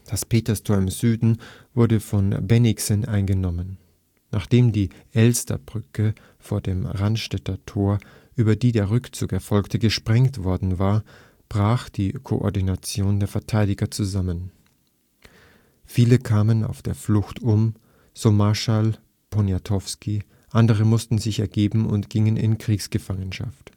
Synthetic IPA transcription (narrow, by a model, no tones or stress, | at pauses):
d̥aspʰeːtɐstʰoːɐɪmzyːdn̩vʊɐdəfɔnbɛnɪksənʔa̰ɪnɡənɔmənː | aːχd̥eːmdiːʔɛlstɐ̰bʁʏkʰə | foːɐdeːmʁantʃtɛtɐtʰoːɐ | ʔyːbɐdiːdeːɐʁʏkt͡suːkɛɐfɔlktəɡəʃpʁ̥ɛŋtv̥ɔɐdn̩vaːɐ | b̥ʁaːxd̥iːkʰo̰ʔɔ̰ɐdinat͡sjoːndeːɐfɛɐtʰaɪdɪɡɐt͡suzamən | fiːləkʰaːməna̰ʊfd̥eːɐflʊxtʰʊm | z̥oːmaɐʃal | pʰɔnjatʰɔfski | ʔandəʁ̞əmʊstn̩zɪçɛɐɡeːbm̩ʊ̰ntɡ̥ɪŋənɪ̰nkʁ̥iːksɡ̥əfaŋənʃa̰ft